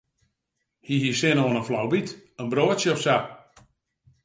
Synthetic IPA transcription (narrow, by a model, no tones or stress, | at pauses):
hiɦisɪnoənənflawbitənbroəsjəɔfsa